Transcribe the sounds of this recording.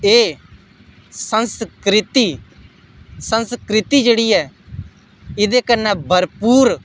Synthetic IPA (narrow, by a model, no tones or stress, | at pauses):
eː | sənskɾɪt̪iː | sənskɾɪt̪iːd͡ʒeːɽiːɛː | ɪd̪eːkənːɛːbʱəɾpuːɾ